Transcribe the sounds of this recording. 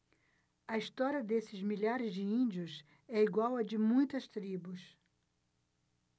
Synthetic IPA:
ɐist̪ɔɾiɐd̪esɪzmiʎaɾɪzd͡ʒɪĩnd͡ʒiʊs | ɛiɡwawɐd͡ʒɪmũj̃t̪ɐst̪ɾibʊs

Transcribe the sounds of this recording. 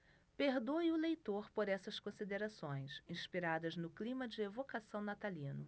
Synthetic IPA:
peɾd̪ojʊlejt̪oɾpoɾɛsɐskõsid̪eɾasõj̃sĩspiɾad̪ɐznʊklĩmɐd͡ʒɪevokasɐ̃w̃nat̪alĩnʊ

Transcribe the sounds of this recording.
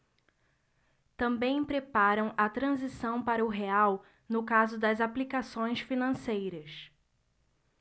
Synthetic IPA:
t̪ɐ̃mbẽj̃pɾepaɾɐ̃w̃ɐt̪ɾɐ̃zisɐ̃w̃paɾɐʊɦeaw | nʊkazʊd̪ɐzaplikasõj̃sfinɐ̃sejɾɐs

